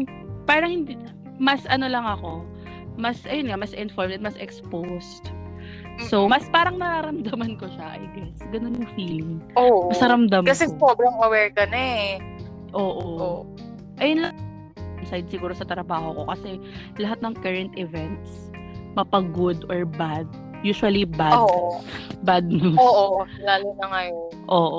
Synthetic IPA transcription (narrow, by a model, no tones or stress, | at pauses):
paːɾɐŋhɪnd̪i | mɐsʔɐno̞lɐŋɐko̞ | mɐsʔɐjonŋamɐsʔɪnfoɹmɛt̪mɐsʔɛkspost̪ | somɐspaːɾɐŋnɐɾaːɾɐmd̪ɐmɐnkoʃɐʔɐ̰jɡɛsɡɐnonjʊŋfiːlɪŋoːɐsɐɾɐmd̪ɐmkɐsɛpobɐŋɐwɛɹkɐnɛ | ʔoːʔo | ʔɐjonlɐŋ | bɪsajd̪̚sɪɡuːɾosɐt̪ɾɐbaːho̞ko̞kɐsɛ | lɐɦat̪̚nɐŋkɐɹɐnt̪ɪvɛnt̪s | mɐpɐɡod̪ʔoɹbad̪̚ | juːʃwɐlibadoːʔbad̪̚nooʔo | laːlonɐŋɐjonʔoːʔo